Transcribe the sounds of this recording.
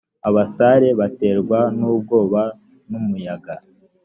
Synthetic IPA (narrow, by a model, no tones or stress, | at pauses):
aβasaɾe̞βate̞ːɾɡwanuːb̚ɡo̞ːβa | numujaɡa